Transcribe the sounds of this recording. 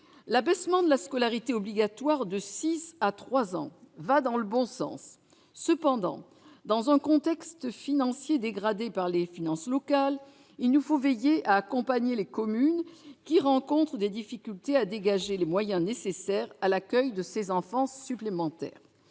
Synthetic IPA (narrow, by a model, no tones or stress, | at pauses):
labɛsmɑ̃d̪əlaskɔlaʁit̪eɔbliɡat̪waʁd̪əsisat̪χwazɑ̰̃vad̪ɑ̃ləbɔ̃sɑ̰̃sː | əpɑ̃d̪ɑ̰̃ | d̪ɑ̃zɛ̃kɔ̃t̪ɛkst̪finɑ̃sjed̪eɡʁad̪epaʁlefinɑ̃slɔkal | ilnufovejeʔaːkɔ̃paɲelekɔmynkʲiʁɑ̃kɔ̃t̪χəd̪ed̪ifikʲylt̪ead̪eɡaʒelemwajɛ̃nesesɛʁalakʲœjd̪əsezɑ̃fɑ̃ːyplemɑ̃t̪ɛ̰ːʁ